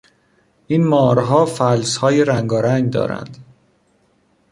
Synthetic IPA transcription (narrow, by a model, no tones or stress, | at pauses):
ʔiːnmɒːɾɦɒːfælshɒːjeɾæŋɡɒːɾæŋɡd̪ɒ̰ːɾæ̰nd̪̥